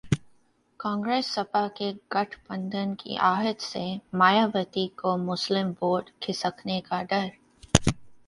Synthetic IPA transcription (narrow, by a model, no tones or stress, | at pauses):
kãːŋɡɾeːsːɐpakeɡɐʈʰbə̃nd̪ʱənkḭʔaːɦət̪semaːjaːʋət̪ikomʊslɪmboːɖkʰɪsəkʰnekaɖɐɾ